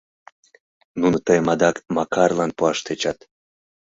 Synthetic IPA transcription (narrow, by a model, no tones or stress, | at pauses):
nunot̪əjmɑd̪ɑkmɑkɑrlɑnpuɑʃt̪et͡ɕɑt̪